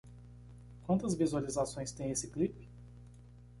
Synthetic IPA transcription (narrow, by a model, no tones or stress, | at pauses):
kʷwɐ̃nt̪ɐzvizualizasõj̃st̪ẽj̃esɪklip